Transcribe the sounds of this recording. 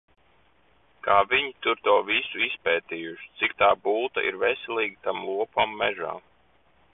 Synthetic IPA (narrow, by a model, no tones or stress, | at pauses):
kaːviɲit̪uɾt̪uɔvisuispɛːt̪iːjuʃi̥t̪sik̚t̪aːbuːt̪a̰ʔḭɾvɛsʲɛlˠiːɡit̪amlˠuɔpamːɛʒa̰ː